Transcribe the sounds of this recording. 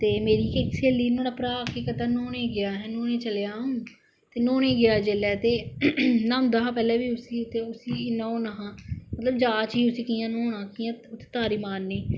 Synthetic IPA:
t̪eːmeːɾiːkekseːliːnõːɽaːpɾaːkeːkət̪aːnoːnẽːɡɪaːɦɛːnoːnẽːt͡ʃəlejaːɦõː | t̪eːnoːneːɡɪaːd͡ʒeːlɛːt̪eːnãːmd̪aɦãːpɛːlɛːʋiːʊsiːt̪eːʊsiːnõõːnaɦãːmət̪ləbd͡ʒaːt͡ʃɦiːʊsiːkiːjãːnõːnãːkiːãːʊt̪ʰːe̥t̪aːɾiːmaːnːeː

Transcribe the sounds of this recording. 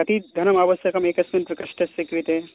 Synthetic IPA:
ɐt̪id̪ʱɐnɐmaːʋɐsjɐkɐmeːkɐsmint̪ʋikɐʂʈɐsikʋit̪eː

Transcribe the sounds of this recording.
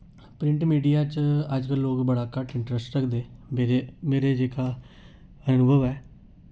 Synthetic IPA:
pɾɪ̃ɳʈmiːɖijaːt͡ʃəd͡ʒkəlːoːkbəɽaːkəʈɪɳʈɾəsʈɾəkʰd̪eːmeemeːɾeːd͡ʒeːkaː | ənʊbʱəʋɛː

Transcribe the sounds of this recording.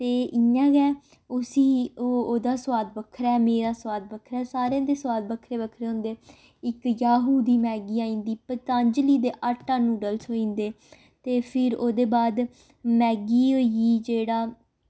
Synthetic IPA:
t̪eːʔɪãːɡɛː | ʊsiːoːoːd̪aːsʊwaːd̪bəkʰːɾɛːmeːɾaːsʊwaːd̪̚bəkʰɾɛːsaːɾeãːd̪eːsʊwaːd̪bəkʰɾeːbəkʰɾeːɦʊ̃nd̪eː | ɪkjaːɦuːd̪iːmɛːɡiːaːĩːnd̪iːpət̪ãːɲd͡ʒliːd̪eːʔaʈːãːnũːɖəlsoːĩːnd̪eː | t̪eːpʰɪɾoːd̪eːbaːd̪ | mɛːɡiːoːiiːd͡ʒeːɽaː

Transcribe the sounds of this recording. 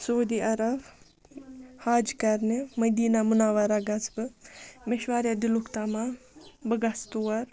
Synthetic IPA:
soːd̪iːʔɐɾɐb | haːd͡ʒkɐɾnemɐd̪iːnamunaːʋaɾaɡɐt͡sbɨmɪʃʋaːɾjad̪ɪlukt̪amabəɡast̪uɐɾ

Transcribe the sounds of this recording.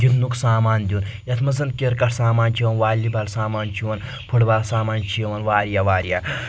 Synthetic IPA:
d͡ʒit̪nuksaːmaːnd̪ʲiuːn | jɐt̪ʰmɐzɐn̚kʲeɾkɐʈʰsaːmaːnʲt͡ʃʰiʋɐnʋaːlʲːibɐlsaːmaːnt͡ʃʰiʋɐn | pʰɨɽbalsaːmaːnt͡ʃʰijɐʋɐnʋaːɾjaːʋaːɾjaː

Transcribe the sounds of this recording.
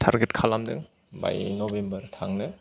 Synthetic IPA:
tʰaɾɡetkʰalamdɯ̰ŋ | ba̰jnɔbembɐɾtʰaŋnɯ

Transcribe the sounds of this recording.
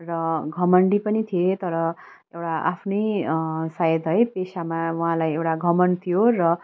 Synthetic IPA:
rʌɡʱʌmʌɳɖipʌnit̪ʰijet̪ʌɾʌ | ewʈaʔapʰnejsajʌd̪ɦʌjpesamauɦãlajewʈaɡʱʌmʌnt̪ʰijorʌ

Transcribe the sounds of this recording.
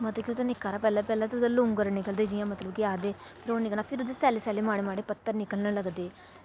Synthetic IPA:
mət̪əkiʊt̪oːnɪkːaːɾaːpɛːlaːpɛːlaːt̪ʊd̪elʊŋɡəɾnɪkəld̪eːd͡ʒiːjãːmət̪ləbkiaːd̪eːpʰɪɾoːnɪkəlaːpʰɪɾʊd̪eːsɛːlesɛːleːmaːɽeːmaːɽeːpət̪ːəɾnɪkəlnələɡd̪eː

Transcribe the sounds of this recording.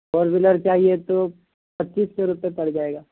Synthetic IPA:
oːɾbɪləɾt͡ʃaːɦiet̪o | pɐtːʃiːskeɾʊpepɐɽd͡ʒaːeːɡaː

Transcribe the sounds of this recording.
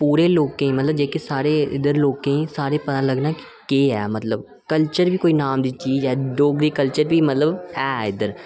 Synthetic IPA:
puːɾeloːɡkẽĩmɐt̪ləbd͡ʒeːkesaːɾeɪ̰d̪əɾloːɡkẽĩsaːɾepɐt̪alɐɡnaki̥ | keːɦɛ̰ːmɐt̪ləb | kəlt͡ʃəɾbʱikoːinaːmd̪it͡ʃiːzɦɛːɖoːɡɾikəlt͡ʃəɾbʱimɐt̪ləbɦɛːɪd̪əɾ

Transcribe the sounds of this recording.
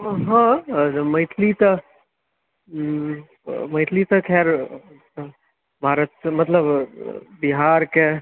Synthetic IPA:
ɦə̃məɪʈ̪ʰlit̪ə | məɪt̪ʰlit̪əkʰɛɾ | bʱaːɾət̪mət̪ləbbiɦaɾke

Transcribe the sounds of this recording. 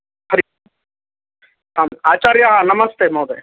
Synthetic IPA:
hɐɾi | aːmaːt͡ʃaːɾjaanɐmɐst̪eːmoːd̪e

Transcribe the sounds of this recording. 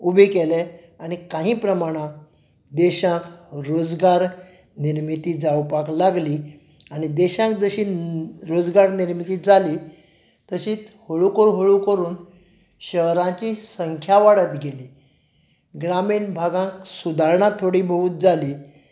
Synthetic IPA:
ubʱekele | aɽ̃ikãɦĩːpɾəmaɽ̃ãk | d̪eɕãkɾod͡zɡaɾ | niɾmit̪iːd͡zawpaklaɡliː | aɽ̃id̪eɕãk̚d͡zəɕiːɾod͡zɡaɾniɾmit̪iːd͡zʱaliː | t̪əɕiːt͡shoɭukəɾɦoɭukəɾuːn | ɕəɦɾãt͡ɕiːsəŋkʰjaʋaɽət̪ɡʱeliː | ɡɾamiɳbʱaɡãksud̪ʱaɾɳat̪ʰoɽiːbʱəuːt̪̚d͡zaliː

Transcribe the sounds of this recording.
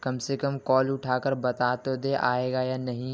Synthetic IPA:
kɐmsekəmkɔːlʊʈʰaːkəɾbɐt̪aːt̪od̪eʔaːeːɡajaːnɐɦĩ

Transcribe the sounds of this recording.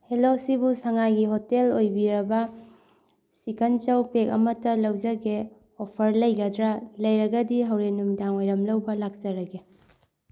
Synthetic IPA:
helosibusaŋajɡiɦotelojbiɾɐbɐ | sikɐnt͡ʃɐwpekɐ̰mɐtːɐlɐwd͡ʒɐɡe | opʰɐɾlɐjɡɐdɾalɐjɾɐɡɐdiɦɐwɾenumdaŋojɾɐmlɐwbɐlak̚d͡ʒɐɾɐɡe

